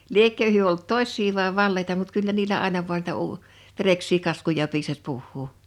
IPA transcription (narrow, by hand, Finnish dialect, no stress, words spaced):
liekːø hyø olt tossʲˑsiː ʋɑe ʋɑlːeitɑ mut kylːæ niːlæ ɑˑenɑ ʋu̞ɑn niːtæ uː ʋereksˑiː kɑskujɑ piːsɑs puhːuː